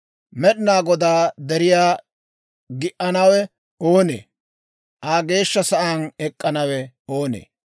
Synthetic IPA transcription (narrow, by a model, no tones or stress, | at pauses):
mɛɗɪnaːɡɔd̪aːd̪ɛɾɪjaː | ɡɪʔɐnɐwɛ | oːnḛː | ʔaːɡe̞ːʃːɐsɐʔɐnɛkʼːɐnɐwɛ | o̞ːnḛː